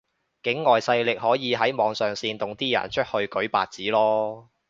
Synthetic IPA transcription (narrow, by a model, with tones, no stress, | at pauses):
kɪ˨˥ŋːɔː˨˩jsɐ˧jlɪ˨k̚hɔː˨˥jiː˨˧ɦɐ˨˥jmɔː˨˧˥ŋsœː˨˩ŋsiː˧nt̪ʊ˨ŋt̪iː˥jɐ̰˨˩nt͡ʃʰɵ˥t̚hɵ˧ɥkɵ˨˥ɥpa̰ː˨t̚t͡siː˨˥lɔː˥